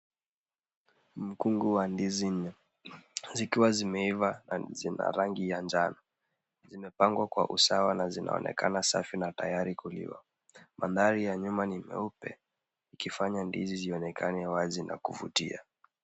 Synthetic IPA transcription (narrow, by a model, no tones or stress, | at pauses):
m̩kuŋɡuwandiziɲ | zikiwazimɛivazina̰ɾaŋɡijand͡ʒanɔ | zimɛpaŋɡwakwa̰ʔusawanazina̰ɔ̰nʔɛ̰kanasa̰finatajaɾikulḭwa̰ | manðaɾijaɲumanimɛ̰upɛ̰ | ikifaɲandḭziziɔnɛkʰanɛwazina̰kuvutia̰